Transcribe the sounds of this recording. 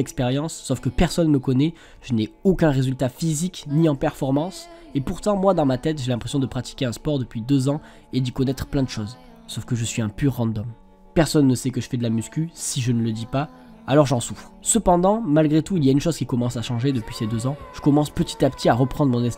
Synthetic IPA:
ɛkspeʁjɑ̃sːɔfkəpɛʁsɔnːməkɔnɛ | ʒ̥ənɛokʲɛ̃ʁezylt̪afizikniɑ̃pɛʁfɔʁmɑ̃s | epuʁt̪ɑ̃mwad̪ɑ̃mat̪ɛt̪ʒelɛ̃pχesjɔ̃d̪əpχat̪i̥kʲeɛ̃spɔʁd̪əpɥid̪øzɑ̃ | ed̪ikɔnɛt̪χəplɛ̃d̪əʃoz | sɔfkəʒəsɥiɛ̃pyʁːɑ̃d̪ɔm | pɛʁsɔnːəsɛkəʒəfɛd̪əlamyskʲysiʒənələd̪ipa | alɔʁʒɑ̃sufχsəpɑ̃d̪ɑ̃malɡʁet̪uiliaynʃozkʲikɔmɑ̃saʃɑ̃ʒed̪əpɥised̪øzɑ̃ʒ̥əkɔmɑ̃spət̪i̥t̪apt̪ʰiaʁəpχɑ̃d̪ʁmɔ̃nɛs

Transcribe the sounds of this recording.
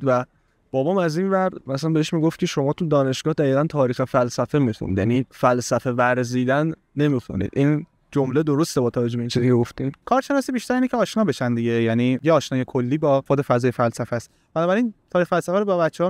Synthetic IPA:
væ | b̥ɒːbɒːmæzinvæɾd̪mæslænbeeʃmiːɡoft̪̚cʰeʃo̞mɒːt̪ʰud̪ɒːne̞ʃɡ̥ɒːhd̪æɣiːɣænt̪ʰɒːɾiːxefælsæfe̞mixṵnḭd̪jæ̰nifælsæfe̞væɾziːd̪ænː | e̞miːxṵnḭːd̪ʔiːn | d͡ʒomled̪o̞ɾo̞st̪ebɒːt̪ʰævæd͡ʒoeint͡ʃʰizicʰeɡo̞ft̪iːmkʰɒːɾʃe̞nɒːsibiʃt̪æɾeinecʰeɒːʃnɒːbe̞ʃænd̪iɟe̞jæniːjeɒːʃnɒːje̞kʰo̞lːiːbɒːxod̪e̞fæzɒːjefælsæfæst̪ | b̥ænɒːbæɾiːnt̪ʰɒːɾiːxfælsæfæɾobɒbætt͡ʃːehɒː

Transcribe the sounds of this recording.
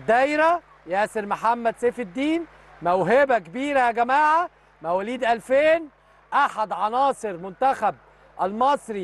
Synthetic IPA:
d̪ːæjɾæ | jæːseɾmoħamːæd̪seːfɪd̪ːiːn | mæwɦebækebiːɾæjæɡæmaːʕa | mæwæliːd̪ʔælfeːn | ʔaħad̪ʕɑnɑːsˤɨɾmʊnt̪æxæb̚ | ʔælmɑsˤɾi

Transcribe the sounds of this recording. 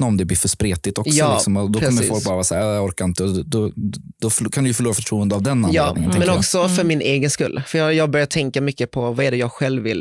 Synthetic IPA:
naɔmd̪ɛbliːɾfœʂpɾeːt̪ɪt̪ɔksjɔɑlːɪksɔmɔd̪ɔkʰɾʰɔmːəɾfːɔlk̚bɑːɾavɑːsæːɾɔɾkaɾɪnt̪əd̪ɔ | d̪̥ɔfkʰand̪ʉjɵfœɭuːɾafœʈʰɾuːənd̪əavd̪ɛnːajɑːɪŋːənʰɪmɛnɔksɔfœɾmɪnʔeːɡənskɵ̰lːfœjɑːjɑːɡ̚bœɾjat̪ʰɛŋkamʏkːəpʰɔvɑɛɖɛjɑːɡɧɛlvːɪ̰lː

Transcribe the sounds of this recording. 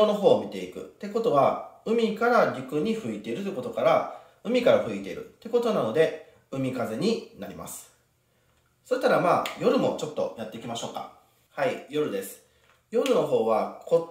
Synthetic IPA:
ono̞ɦo̞ːmʲit̪e̞ikɯ̟̰t̪ːe̞ko̞t̪o̞βaɯ̟mʲikaɾaɾʲikɯ̟ɲ̟iɸɯ̟it̪e̞iɾɯt̪ojɯko̞t̪o̞kaɾa | ɯ̟mʲikaɾaɸɯ̟it̪e̞̰ḭɾɯ̟̰t̪ːe̞ko̞t̪o̞nano̞d̪e̞ | ɯ̟mʲikaze̞ɲ̟inaɾʲima̰sɨ̥ | so̞ɕi̥t̪aɾamaːjo̞ɾɯ̟mo̞̰t͡ɕo̞t̪ːo̞̰jat̪ːe̞ikʲimaɕo̞ːka̰ | haijo̞ɾɯ̟d̪e̞sɨ̥ | jo̞ɾɯ̟no̞ɦo̞ːβakʰo̞

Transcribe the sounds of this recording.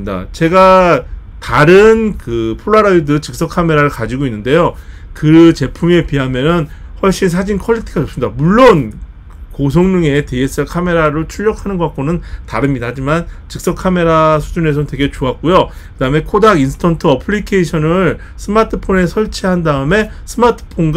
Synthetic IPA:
da̰t͡ɕe̞ɡa | taɾɯnkɯpʰoɭːaɾaidɯt͡ɕɯk̚s͈ʌkʰame̞ɾaɾɯɭkad͡ʑiɡoinːɯnde̞jo | kɯt͡ɕe̞pʰume̞piɦamjʌnɯn | hwʌɭɕ͈insʰad͡ʑinkʰʌʎːitʰiɡaʌps͈ɯmɲid̥amuɭːon | kosʰoŋɲuŋe̞ties͈ɯkʰame̞ɾaɾot͡ɕʰuʎːʌkʰanɯnɡoak͈onɯntaɾɯmɲidahad͡ʑimant͡ɕɯk̚s͈ʌkʰame̞ɾasʰud͡ʑune̞s̬ʰʌnɯntwe̞ɡe̞t͡ɕoak̚k͈ujo | kɯdaɯmekʰodaɡinsʰɯ̥tʰʌntʰɯʌpʰɯɭikʰeiɕʰʌnɯɾɭ | sʰɯmatʰɯpʰone̞sʰʌɭt͡ɕʰeɦandaɯme̞ | sʰɯmatʰɯ̥pʰonɡ

